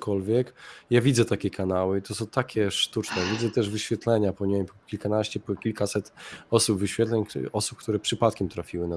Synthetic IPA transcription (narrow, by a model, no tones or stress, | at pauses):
kɔlvʲjɛkjavʲid̪zɛt̪akʲɛkʰanawɘit̪ɔsɔ̃w̃t̪akʲɛʂt̪ut͡ʂnɛvʲidzɛt̪ɛʐvɘɕfʲɛt̪lɛɲapɔɲpɔkʲilkanaɕt͡ɕɛpkʲilkasɛt̪ɔsubvɘɕfʲjɛt̪lɛɲɔsup̚kt̪uɾɛpʂɘpat̪̚kʲɛmt̪ɾafʲiwɘna